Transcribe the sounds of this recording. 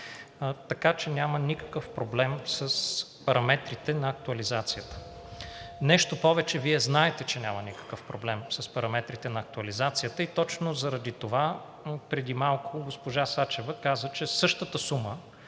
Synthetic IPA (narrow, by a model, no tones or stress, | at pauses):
t̪ɐkat͡ʃɛnʲamənikə̥kəfpɾoblɛmsəspɐɾɐmɛt̪ɾit̪ɛnɐːk̚t̪uɐlizat̪sijət̪ə̥ | nɛʃt̪opɔvɛt͡ʃɛviɛznaɛt̪ɛt͡ʃɛnʲamənikə̥kəfpɾoblɛmsɐspɐɾɐmɛt̪ɾit̪ɛnɐːk̚t̪uɐlizat̪sijət̪əit̪ɔt͡ʃnozɐɾɐd̪it̪ova | pɾɛd̪imalˠkʰoɡospoʒasat͡ʃɛvəkazət͡ʃɛsɤʃt̪ət̪əsumə